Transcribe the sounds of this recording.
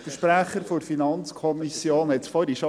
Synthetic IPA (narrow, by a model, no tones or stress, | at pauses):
fəʃpɾæχəɾfoɾfinɑnt͡skʰɔmisjoːnhɛt̪fɔɾiʃo